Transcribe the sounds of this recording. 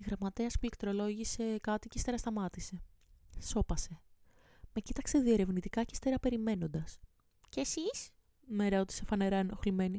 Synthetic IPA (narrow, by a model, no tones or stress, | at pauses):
iɣɾɐmɐt̪eɐspulekt̪ɾo̞lo̞ʝise̞kɐt̪icest̪eɾɐst̪ɐmɐt̪ise̞ | so̞pɐse̞ | me̞cit̪ɐkse̞ðie̞ɾe̞vnit̪ikɐcest̪eɾɐpe̞ɾime̞no̞nd̪ɐs | ceesis | meɾeot̪i̥sefɐne̞ɾɐeno̞xlime̞ni